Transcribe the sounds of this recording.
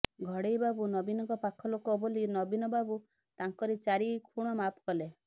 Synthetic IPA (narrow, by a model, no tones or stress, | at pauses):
ɡʱɔɽejbabunɔbinɔŋkɔpakʰɔlokɔbolinɔbinɔbabu | t̪aŋkɔɾit͡ʃaɾikʰuɽ̃ɔmapɔkɔle